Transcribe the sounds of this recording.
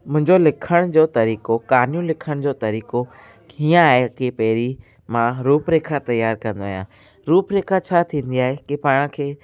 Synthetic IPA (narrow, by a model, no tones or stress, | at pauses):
mʊ̃ɦɪ̃ɲd͡ʑolɪkʰəɽ̃d͡ʑoːt̪ɐɾiːkokaːnijũlɪkʰəɽ̃d͡ʑoːt̪ɐɾiːko | ɦiːãaːɦekepɐɦɪɾi | mãɾuːpɾeːkʰat̪ɐjaːɾkɐ̃nd̪oaːɦijã̰ː | ɾuːpɾeːkʰat͡ɕʰaːt̪ʰĩːn̆d̪iaːɦekipaːɪɽ̃ə̆kʰeː